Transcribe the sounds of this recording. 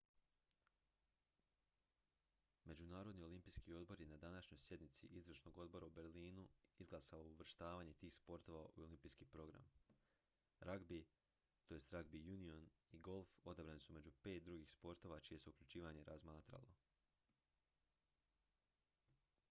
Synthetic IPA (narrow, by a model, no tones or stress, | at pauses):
me̞d͡ʑunaːɾo̞d̪nio̞limpijskio̞d̪̚bo̞ɾje̞nad̪anaʃɲo̞jsje̞d̪nit̪sḭʔizɾəʃno̞ɡo̞d̪̚bo̞ɾaube̞ɾliːnuizɡlˠasaouʋr̩ʃt̪aːʋaːɲet̪iːxspo̞ɾt̪o̞ʋaʔuolˠimpiːskiːpɾo̞ɡɾa̰m | ɾʔaɡbi | t̪o̞jest̪ɾaɡbijunioniɡo̞lˠfo̞d̪abɾanisume̞d͡ʑupe̞t̪̚d̪ɾuɡixspo̞ɾt̪o̞ʋat͡ʃije̞seukʎʲut͡ʃiːʋaɲe̞ɾʔazmaːt̪ɾa̰lˠo̞̰